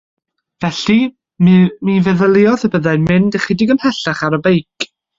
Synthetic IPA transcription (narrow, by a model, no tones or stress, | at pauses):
vɛɬi | mmivɛðəlˠɪɔðəbəðaɨnmɪndəχidɪɡənmhɛɬaχaɾəbejkʰ